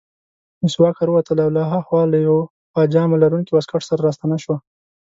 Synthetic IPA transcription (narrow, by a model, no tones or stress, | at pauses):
nɪswɑkaɾəwat̪əlawlaɦaxwɑlajw | pɑd͡ʒɑmalaɾuŋkibaskaʈsaɾaɾɑst̪anaʃwa